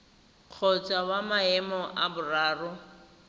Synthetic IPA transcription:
q͡χʰɔt͡sʼawamaɛmɔʔabʊraːrʊ

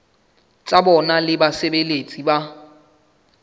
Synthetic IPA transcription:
t͡sʼabɔnalɪbasebelet͡sʼiba

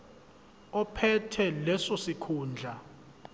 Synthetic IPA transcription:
ɔpʰɛtʰɛlɛsɔsikʰuːnd͡ɮʱa

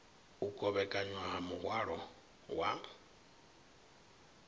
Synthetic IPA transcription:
ukʼɔβɛkʼaɲwaɦamuɣwaɺɔ | wa̰ːŋbɔ

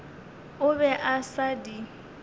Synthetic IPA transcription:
ʊbɛʔasadi

